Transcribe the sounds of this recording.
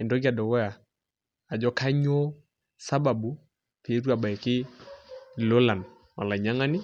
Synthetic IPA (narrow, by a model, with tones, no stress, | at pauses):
ɪ˨ndɔ˦ɡa˨dɔ˨ɡɔ˦ja˨ | a˨d͡ʒɔ˦ka˦ɲo˦ | sa˦ba˨bu˨ | pe˨˦ɾwa˨ba˨i˨kɪ˦ | lo˦la˨n | mʔa˨la˨ɲa˦ŋa˦ni˦